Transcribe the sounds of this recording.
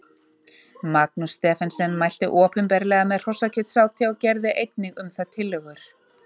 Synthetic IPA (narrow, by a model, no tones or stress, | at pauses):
mak̚nust̪ɛːfɛnsɛnːmajl̥t̪ɪʔɔːpʏmpɛɾlɛːɣamɛðr̥ɔsacʰʏt̪saːwt̪ʰjawcɛɾðɪʔejt̪̚nɪɣʏmθaðt̪ʰɪlːœɣʏɾ̥